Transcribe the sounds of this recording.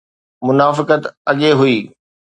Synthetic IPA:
mʊnaːfɪkət̪ɐɠeɦʊiː

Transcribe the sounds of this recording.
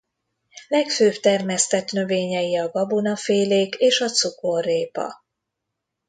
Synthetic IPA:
lɛkføːpt̪ɛrmɛst̪ɛt̪nø̞veːɲɛjiɒɡɒbunɒfeːleːkeːʃɒt̪sukorːeːpɒ̰

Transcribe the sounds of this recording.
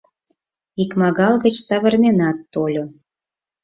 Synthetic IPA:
ikmɑɣɑlɣə̆t͡ɕsɑβə̆rnenɑt̪ːolʲo

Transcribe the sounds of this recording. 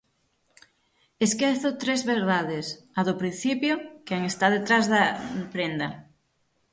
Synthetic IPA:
eskeθʊt̪ɾezβeɾðaðes | aðʊpɾin̟θipjʊkaŋest̪aðet̪ɾazðɐpɾend̪ɐ

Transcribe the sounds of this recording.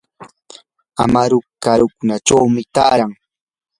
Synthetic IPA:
a̰maɾʊkaɾʊkʊnat͡ʃawmɪt̪aːɾaŋ

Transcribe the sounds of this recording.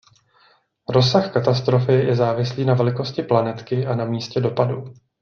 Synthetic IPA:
ɾo̞saxkat̪ast̪ɾo̞fɪjɛzaːvɪsliːnavɛlɪko̞scɪplanɛt̪kɪʔanamiːscɛdo̞padu

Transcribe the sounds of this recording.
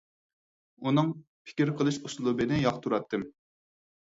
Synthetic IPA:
unɨŋ | pʰɪ̥kʲiɾqʰəlˠɨʃuslˠubɨnɪjɑχt̪ʰuɾɑt̪ːɨm

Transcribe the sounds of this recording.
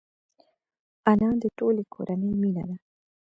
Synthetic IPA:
anãːd̪əʈoːlekʰo̰ɾʔanəjmina̰d̪a

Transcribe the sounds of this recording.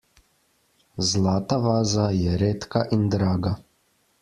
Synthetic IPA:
zlaːt̪aʋaːzajɛɾeːt̪kaʔind̪ɾaːɡa

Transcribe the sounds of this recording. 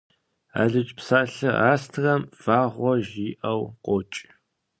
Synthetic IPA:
a̰ːɮɨt͡ʃʼpsaːɬɨaːstʰɣɐmv̥aːʁʷɔʒiːʔɐwqʷɔt͡ʃʼ

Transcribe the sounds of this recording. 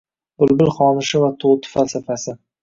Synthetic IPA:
b̥ʊlbɪlχɒnɪʃɪvat̪ʰowt̪ʰɪ̥falsafasɪ

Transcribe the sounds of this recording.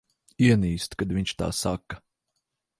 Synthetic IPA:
iɛniːst̪kad̪vʲiɲʲt͡ʃt̪a̰ːsakɐ

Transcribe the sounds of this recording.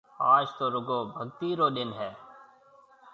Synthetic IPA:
aːd͡ʒt̪oːɾʊɡoːbʱəɡ̚t̪iːɾoːɗ̪ɪnɦɛː

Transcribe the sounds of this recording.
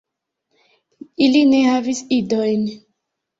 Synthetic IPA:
ilinehavisidojn

